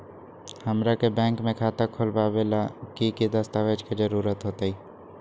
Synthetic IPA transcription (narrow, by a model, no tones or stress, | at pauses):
həmɾakebɛ̃ːŋkmẽkʰaːt̪akʰolbabelakikid̪əst̪aʋed͡ʒkid͡ʒəɾuːɾət̪ɦoːt̪aiː